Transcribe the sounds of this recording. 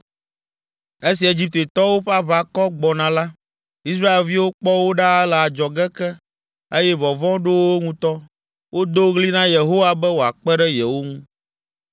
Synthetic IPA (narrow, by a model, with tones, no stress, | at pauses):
e˦s̬i˨e˨d͡ʑi˦p̚t̪e˨t̪ɔ˦wo˦ɸa˦βa˦kɔ˦ɡ͡bɔ˨nã˨la˦ | i˦s̬ɾa˦e˨lvi˦wo˦k͡pɔ˦wo˦ɖa˦ɛ˦lɛ˨a˨d͡ʒɔ˨ɡɛ˦kɛ˦ | e˦jɛ˦vɔ˨vɔ̃˦ɖo˦wo˦ŋũ˦t̪ɔ˦ | wʔo˦d̪o˦ɣli˦nã˦je˨ɦo˦wa˦bɛ˦wo˨a˨k͡pɛ˦ɖɛ˦jɛ˨wo˦ŋũ˦